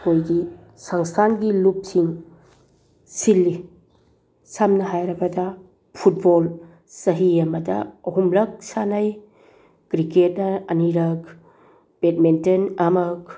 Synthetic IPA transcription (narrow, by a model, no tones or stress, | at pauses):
hojɡi | saŋstʰanɡilup̚siŋ | silːi | samnɐɦajɾɐbɐdɐ | pʰut̚bol | sɐɦiɐmɐdɐ̰ɐɦumlɐk̚sanaj | kɾiket̚nɐɐniɾɐk | b̥et̚mentenamɐk̚